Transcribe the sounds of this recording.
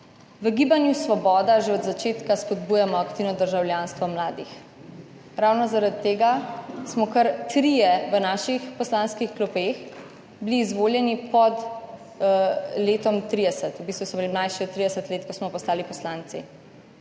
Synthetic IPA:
ʋəɡiːbanjusʋɔbɔːd̪aʒeɔd̪zat͡ʃeːt̪kaspɔd̪bujamɔakt̪iːwnɔd̪əɾʒawljanst̪ʋɔmlaːd̪ix | ɾawnɔzaɾad̪t̪ːeːɡasmɔkəɾt̪ɾijɛʋənaːʃixpɔslanskixklɔpex | bliːzʋoːljɛnipɔd̪ | leːt̪ɔmt̪ɾid̪ɛsət̪ubist̪ʋusmɔbilimlajʃiɔt̪ːɾid̪ɛsət̪leːt̪̚kɔsmɔpɔst̪aːlipɔslant̪sḭ

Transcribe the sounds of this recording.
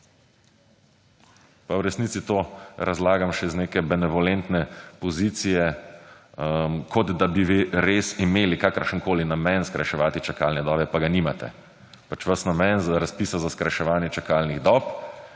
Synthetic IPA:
pawɾɛsniːsit̪oːɾazlaːɡamʃɛizneːkɛbɛnɛʋɔlɛnt̪nɛpɔzit̪sijɛ | mkʰɔd̪d̪abiʋiɾesimeːlikaːkəɾʃənkoːlinamɛnskɾaʃɛʋaːt̪it͡ʃakalnɛd̪ɔːbɛpaɡanimat̪ɛ̰ | pat͡ʃʋɐsnamɛnzɾaspiːsazaskɾaʃɛʋaːnjɛt͡ʃakalniɣd̪ɔːp

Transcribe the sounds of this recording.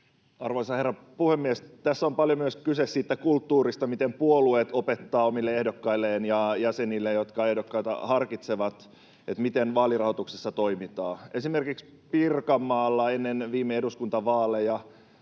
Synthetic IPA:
ɑ̰rʋoisɑherːɑpuhemːiest̪æsːompɑljomyøskysessiːt̪ːækult̪ːuːɾist̪ɑmit̪empuolueːt̪opet̪ːɑːomilːeehdokːɑilːeːnjɑjæsenilːejot̪kɑehdokːɑit̪ɑ̰hɑrkit̪seʋɑt̪ | et̪mit̪enʋɑːlirɑhot̪uksesːɑt̪oimit̪ɑːesimerkiks | pirkɑmːɑːlːɑenːenʋiːmːeeduskunt̪ɑʋɑːlːejɑ

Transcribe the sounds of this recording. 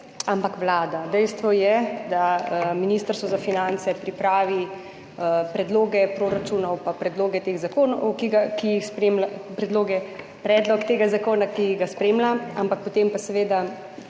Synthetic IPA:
ampakʋlaːd̪ad̪ɛjst̪ʋɔjɛd̪aminiːst̪əɾst̪ʋɔzafinant̪sɛpɾipɾaːʋi | pɾɛd̪loːɡɛpɾoːɾat͡ʃuːnɔwpapɾɛd̪loːɡɛt̪eːɣzakoːnɔkiɡakijixspɾeːmlapɾɛd̪loːɡɛ | pɾɛːd̪lɔkt̪eːɡazakoːnakiɡaspɾeːmlaa̰mpak̚pɔt̪empasɛʋeːd̪a

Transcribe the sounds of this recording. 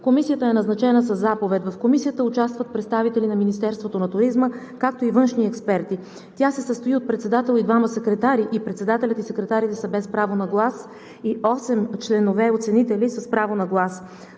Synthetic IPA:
komisijət̪əɛnɐznɐt͡ʃɛnəs̬ɐzːapovɛt̪vɐfkomisijət̪əʊt͡ʃast̪vət̪̚pɾɛt̪st̪avit̪ɛlinɐminist̪ɛɾst̪vot̪onɐt̪ʊɾizmə | kak̚t̪oivɤnʃniɛkspɛɾt̪i | t̪jasɛsəst̪oiot̪̚pɾɛt̪sɛd̪at̪ɛlˠid̪vaməsɛkɾɛt̪aɾiʔipɾɛt̪sɛd̪at̪ɛlʲət̪isɛkɾɛt̪aɾit̪ɛsəbɛspɾavonɐɡlˠas | iʔɔsɛmt͡ʃlɛnovɛot̪sɛnit̪ɛlisəspɾavonɐɡlˠas

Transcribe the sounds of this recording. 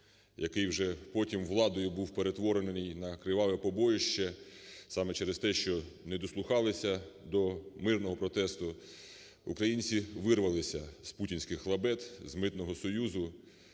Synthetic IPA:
jɐkɪjwʒɛpɔtʲimʋlˠɑd̪ɔjʊbuwpe̞ɾe̞t̪ʋɔɾennɪjnɐkɾɪʋɑʋɛpɔbɔjʊʃt͡ʃɛ | sɑmɛt͡ʃɛɾest̪ɛʃt͡ʃɔnɛd̪ɔslˠʊxɑlˠɪsʲɐd̪ɔmɪrnɔɦɔpɾɔt̪ɛst̪ʊ | ṵkɾɐjinʲt͡sʲiʋɪrʋɐlˠɪsʲɐz̥putʲinʲsʲkɪxːlˠɐbɛt̪zmɪt̪nɔɦɔsɔjuzʊ

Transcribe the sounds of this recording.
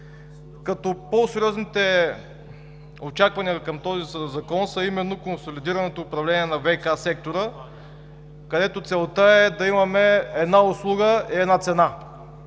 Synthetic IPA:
kɐt̪ɔposɛɾʲiɔznit̪ɛ | ot͡ʃakvɐnijəkəmt̪ɔzizɐkɔnsəimɛnːokonsolid̪iɾɐnɛt̪oːpɾɐvlɛniɛnɐvɛkasɛk̚t̪oɾə | kɐd̪ɛt̪ot̪sɛlˠt̪əɛd̪ɐimɐmɛɛd̪naoslˠuɡəiɛd̪nat̪sɛna

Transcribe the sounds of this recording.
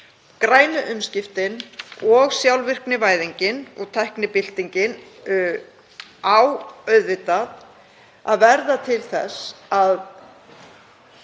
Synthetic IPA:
kɾaːjnʏʔʏmscɪft̪ɪnɔɣsjawlvɪr̥knɪvaːjðiɲcɪnɔ̰ɣt̪ʰɛhknɪpɪl̥t̪iɲcɪn | awœɥðvɪt̪að | a̰ðvɛɾðat̪ʰɪlθɛ̰sað

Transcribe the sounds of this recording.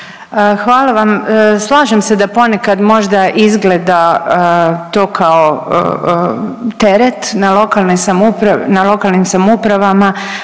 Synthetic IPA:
əxʋaːlaʋamslˠaːʒemse̞d̪apo̞ne̞kad̪mo̞ʒd̪aʔizɡled̪aət̪oːkʰao̰ | t̪e̞ɾet̪nalo̞kalnejsamupɾanalˠo̞kalˠnimsamupɾaʋama

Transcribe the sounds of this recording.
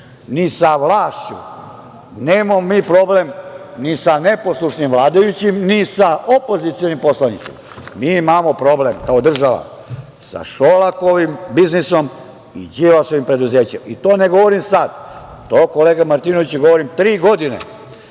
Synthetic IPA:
nisaʋlaːʃt͡ɕṵ | neːmamomiːpɾo̞ble̞mnisane̞po̞slˠuʃnimʋlˠaːd̪ajut͡ɕimnisaopo̞zit̪sijo̞nimpo̞slanḭt̪sima̰miːimamo̞pɾo̞blemkaod̪r̩ʒaʋa̰ | sa̰ʃolakoʋimbizniso̞m | ḭd͡ʑiʋasoʋimpɾe̞d̪uze̞ːt͡ɕḛmit̪oːne̞ɡo̞ʋoɾimsad̪ | t̪oːkoleːɡamaɾt̪inoʋit͡ɕɡoʋoɾimt̪ɾiːɡo̞d̪inḛ

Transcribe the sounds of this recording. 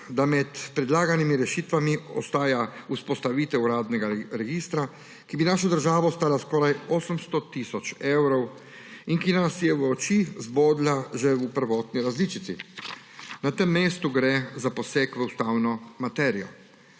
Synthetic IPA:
d̪amɛt̪pɾɛd̪laːɡanimiɾɛʃiːt̪ʋamiɔ̰st̪aːjauspɔst̪aʋiːt̪ɛuɾaːd̪nɛɡaɾɛɡiːst̪ɾa | kibinaːʃɔd̪əɾʒaːʋast̪aːlaskɔːɾajɔːsəmst̪ɔt̪iːsɔt͡ʃɛwɾɔw | inkinasjɛwɔt͡ʃizboːd̪laʒɛupəɾʋɔːt̪niɾazliːt͡ʃit̪sḭ | nat̪əmːeːst̪uɡɾɛzapɔsekʋəust̪aːwnɔmat̪ɛːɾijɔ̰

